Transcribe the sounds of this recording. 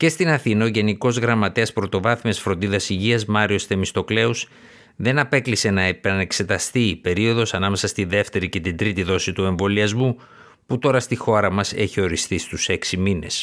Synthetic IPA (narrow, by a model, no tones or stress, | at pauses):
ce̞st̪inɐθinɐoʝe̞niko̞zɣɾɐmɐt̪e̞ɐspɾo̞t̪o̞vɐθmesfɾo̞nd̪iðɐsiʝiɐzmɐɾio̞st̪e̞mist̪o̞kle̞us | ðenɐpe̞klise̞nɐepɐne̞kse̞t̪ɐst̪iːpe̞ɾio̞ðo̞sɐnɐme̞sɐst̪iðe̞ft̪e̞ɾice̞t̪ind̪ɾit̪iðo̞sit̪ue̞ɱvo̞liɐzmu | put̪o̞ɾɐst̪ixo̞ɾɐmɐse̞çio̞ɾisθist̪use̞ksimine̞s